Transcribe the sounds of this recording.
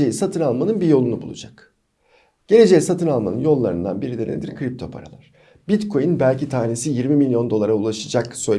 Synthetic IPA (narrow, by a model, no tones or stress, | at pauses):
ejisat̪ʰɯnalˠmanɯnbijo̞lˠunubulˠṵd͡ʒak | ɟ̥e̞lʲe̞d͡ʒe̞jisat̪ʰɯnalˠma̰nɯnjo̞lˠːaɾɯ̰nd̪a̰nbiɾid̪ʲeɾened̪iɾkʰɾip̚t̪ʰo̞pʰa̰ɾa̰lˠaɾ̥ | bit̪kʰo̞jinbælʲcit̪ʰaːnesijiɾmimilʲjo̞nd̪o̞lˠaɾaulˠaʃɯd͡ʒaksø̞j